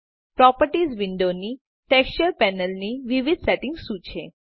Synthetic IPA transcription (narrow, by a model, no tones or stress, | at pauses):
pɾɔpəɾʈizʋiɳɖoni | ʈɛkst͡ʃəɾpɛnəlniʋiʋid̪ʱsɛʈɪŋɡʃũt͡ʃʰe